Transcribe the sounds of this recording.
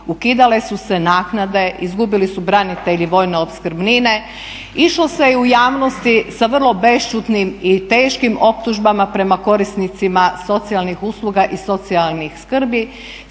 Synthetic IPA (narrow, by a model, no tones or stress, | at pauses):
ukid̪ale̞suse̞naːknad̪e̞izɡubilisubɾanit̪e̞ʎiʋo̞ːjneopskr̩bnine̞ | iʃlose̞ujaːʋno̞st̪isaʋr̩lˠo̞be̞ʃt͡ʃut̪nimit̪e̞ːʃkimo̞p̚t̪uʒbamapɾe̞mako̞ɾisnit̪simaso̞t̪sialnixuːslˠuɡaʔiso̞t̪sialnixskr̩bi